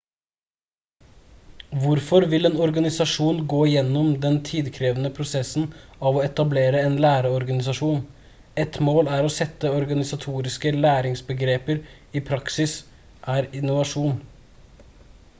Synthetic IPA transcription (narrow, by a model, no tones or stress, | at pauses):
ʋʊɾfɔɾʋɪleːnɔɾɡɑnɪsɑʂuːnɡoːɪjɛnːɔmd̪ɛnt̪ʰiːd̪kʰɾeːʋənəpʰɾʊsɛsn̩ɑʋɔɛt̪ɑbleːɾəeːnlæːɾəɔɾɡɑnɪsɑʂuːn | ɛt̪moːlæːɾɔsɛt̪ːəɔɾɡɑnɪsɑt̪ʰuːɾɪskəlæːɾɪŋsbəɡɾeːpəɾ | iːpʰɾɑksɪs | ʔæːɾɪnʊʋɑʂuːn